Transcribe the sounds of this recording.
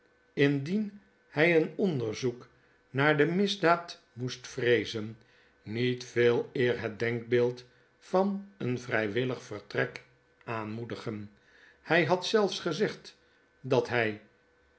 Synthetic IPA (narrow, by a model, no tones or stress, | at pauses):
ɪndin | hɛjənɔndəɹzuk | naːɹdəmɪzdaːt | mustfrejzən | nitfeːlˠɪːɹɦət̚dɛŋɡ̚beːlˠt | fɑnənvrɛjʋɪləχfərtrɛk | aːnmudəχən | hɛjɦɑtsɛlˠfsχəzɛχt | dɑtɦɛj